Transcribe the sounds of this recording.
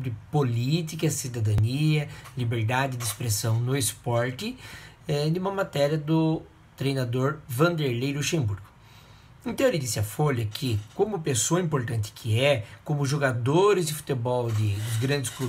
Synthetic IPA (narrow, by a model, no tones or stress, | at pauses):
bɾɪpolit̪ikɐsid̪ad̪ɐniɐlibeɾd̪ad͡ʒɪd̪ɪspɾesɐ̃w̃nʊespɔɾt̪ɪɛd̪ɪũmɐmat̪ɛɾiɐd̪ʊ | t̪ɾejnad̪oɾvɐ̃nd̪eɾlejluʃẽmbuɾɡʊ | ẽnt̪ɐ̃elɪd̪isɪɐfolɐkʰɪkõmʊpesoɐĩpoɾt̪ɐ̃nt̪ɪ̥kʰɪɛkõmʊʒoɡad̪oɾɪzd̪ɪfu̥t̪ebɔwd̪ɪd̪ʊzɡɾɐ̃nd̪ɪsklu